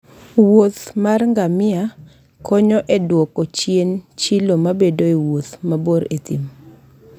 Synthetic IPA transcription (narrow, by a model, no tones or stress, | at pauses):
wot̪marŋɡamɪa | kʰɔɲɔʔɛdwɔkot͡ʃjent͡ʃilomabedoewot̪maboɾet̪ḭm